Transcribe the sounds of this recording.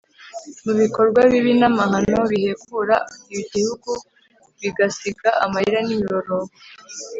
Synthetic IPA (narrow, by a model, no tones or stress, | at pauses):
muβiko̞ɾɡwaβiβinamahano̞βihe̞kuɾaiiɟihuɡu | βiɡasiɡaamahiɾanimiɾo̞ɾo